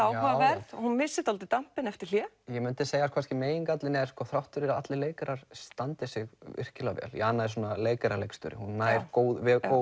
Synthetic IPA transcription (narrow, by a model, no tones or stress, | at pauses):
awaavɛɾðhunmɪsːɪt̪alt̪ɪt̪am̥pɪnɛft̪ɪɾ̥l̥jɛ | jɛmʏnt̪ɪseːjɣaskʰvanscɪmeːjiŋkat̪lɪnɛɾ̥skɔθɾawht̪ʏɾɪɾaa̰t̪lɪleːjkaɾaɾ̥st̪ant̪ɪsɪɣʏ̰r̥cɪlavɛ̰ljɛ̰anːaðɪs̬uːnaleːjkaɾalejkst̪ʏ̰ɾɪ̰hunːajɾkoːwðvɛoː